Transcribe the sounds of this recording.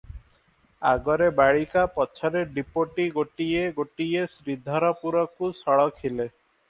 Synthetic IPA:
a̰ɡɔɾebaɭikapɔt͡ʃʰɔɾeɖipoʈiɡoʈieɡoʈiesɾid̪ʱɔɾɔpuɾɔkusɔɭɔkʰile

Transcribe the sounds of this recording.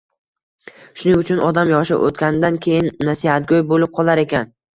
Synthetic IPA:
ʃʊnɪŋʊt͡ʃʰʊnʔɒd̪amjɒʃɪ̰ʔo̰t̪kʲanɪd̪ankʲʰe̞jɪnːasihat̪̚ɡʲojbolɪp̚qʰɒlˠaɾe̞kʲan

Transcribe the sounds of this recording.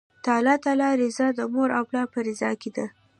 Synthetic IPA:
t̪ɑlɑt̪alɑɾɪzɑd̪əmoɾa̰wplɑpəɾɪzɑked̪a

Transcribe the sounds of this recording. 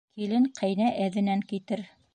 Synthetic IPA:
kʰilɘŋqʰɤ̆jnæʔæðɘ̆næŋkit̪ɘɾ

